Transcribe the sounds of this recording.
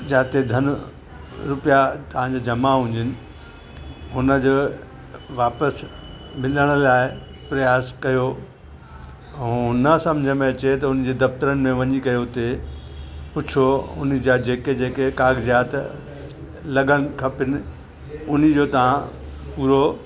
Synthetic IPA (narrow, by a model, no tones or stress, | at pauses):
d͡ʑaːt̪ed̪ʱɐnʊ | ɾʊpijat̪ɐʋ̤ãd͡ʑaːd͡ʑɐmaɦʊ̃ɲd͡ʑɪnɪ̆ | ɦʊnə̆d͡ʑoː | ʋaːpəs | mɪləɽ̃ə̆laːɪ | pɾɐjaːskɐjo | ɛnɐsɐ̃md͡ʑʱəmẽɐt͡ɕet̪ɐʊn̆d͡ʑeːd̪ɐft̪əɾənɪ̆mẽʋɐɲikɐjot̪e | pʊt͡ɕʰoʊ̰nɪ̆d͡ʑad͡ʑeːked͡ʑeːkekaːɡzjaːt̪ | lɐɠəɽ̃ɪ̆kʰɐpɪnɪ̆ | ʊnɪ̆d͡ʑoːt̪ɐʋ̤ã | puːɾo